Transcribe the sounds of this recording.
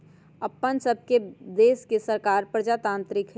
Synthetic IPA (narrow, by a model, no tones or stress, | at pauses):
əpːənsəb̚ʱked̪eːskesəɾkaːɾpɾəd͡ʒat̪ãːnt̪ɾɪkʰ